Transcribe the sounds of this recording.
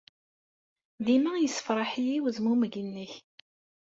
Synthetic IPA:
ðimæjəsːə̥fɾˤɑħijiwðmuməɡinːəç

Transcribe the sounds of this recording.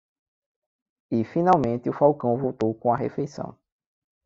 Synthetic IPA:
ifĩnawmẽnt̪ɪufawkɐ̃w̃vowt̪owkõɐɦḛfejsɐ̰̃w̃

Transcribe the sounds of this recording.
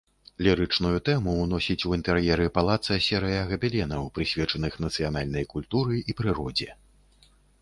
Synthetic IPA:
lʲiɾɨt͡ʂnujut̪ɛmuwnɔsʲit͡sʲuint̪ɛɾjɛɾɨpalˠat̪sɐsʲɛɾɨjɐɣɐbʲɛlʲɛnɐwpɾɨsʲvʲɛt͡ʂɐnɨxn̪ɐt̪sɨjanalʲnɐjkulʲt̪uɾɨipɾɨɾɔd͡zʲɛ

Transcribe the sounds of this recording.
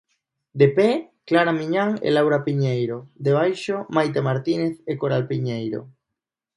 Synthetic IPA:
d̪epe | klaɾamiɲaŋḛlawɾapiɲejɾod̪eβ̞ajʃomajt̪emaɾt̪ineθekoɾalpiɲejɾo̰

